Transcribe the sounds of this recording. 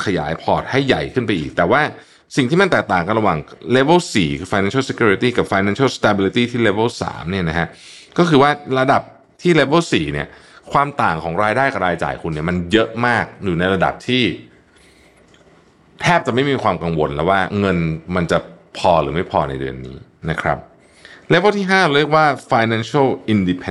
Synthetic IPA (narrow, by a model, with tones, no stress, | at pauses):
kʰa˧ja̰ː˩˦jpʰɔː˨˩t̪̚ha˥˩jːa̰˨˩jkʰɯ˥˩npa˧jʔḭː˨˩k̚t̪ɛː˨˩waː˥˩ | si˨˩ŋt̪ʰiː˥ma˧nt̪ɛː˨˩k̚t̪aː˨˩ŋka˧nɾa˧waː˨˩ŋleː˦˥bɤ˥˩wsiː˨˩kʰɯː˧fa˧nɛ˧˦nsʰse˧kʰjuː˧ɾi˦˧t̪iː˥˩ka˨˩p̚faː˧jnɛ˦nsa˥˩st̪a˧biː˧li˧t̪iː˥˩t̪ʰiː˥˩leː˦˧˥bɤ˥˩wsa̰ː˩˦mni˥˩ɐna˦˥kʰa˦˥ʔkɔː˥˩kʰɯː˧waː˥˩ɾa˧da˨˩p̚ | t̪ʰiː˥˩le˦˥bɤ˥˩wsiː˨˩ni˥˩ɐ | kʰwaː˧mt̪aː˨˩ŋkʰɔː˩˦ŋɾaː˧jdaː˥˩jka˨˩p̚ɾaː˧jt͡ɕa̰ː˨˩jkʰu˧nːi˥˩ma˧njɤ˦˥ʔmaː˥˩k̚juː˨˩na˧jɾa˧da̰˨˩p̚t̪ʰiː˥˩ | t̪ʰɛː˥˩p̚t͡ɕa˨˩ma˥˩jmiː˧kʰwaː˧mka˧ŋwo̰˧nlɛː˦˥waː˥˩ŋɤ˧nma˧nt͡ɕa˨˩pʰɔː˧ɾɯ̰ː˩˦ma˥˩jpʰɔː˧na̰˧jdɯ̰˧ənːḭː˦˥ | na˦˥kʰɾa̰˦˥p̚ | leː˦˥bə˥˩wt̪ʰiː˥˩ɦaː˥˩˧ɾɾi˥˩ək̚waː˥˩faː˧jnɛ˧˥nsa˥˩wʔi˧ndi˧pʰe˧